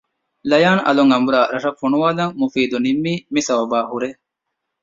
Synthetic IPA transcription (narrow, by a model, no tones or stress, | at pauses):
lɐjaːnɐ̰luŋɐmbuɾaːɾɐʂɐkfːuɳuʋaːlɐŋmufiːd̪unimːiːmisɐwɐbaːhuɾe